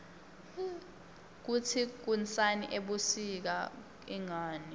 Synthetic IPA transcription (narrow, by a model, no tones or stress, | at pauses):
k̬utʰik̬unt͡sʼaniʔeɓusik̬a | iŋaːni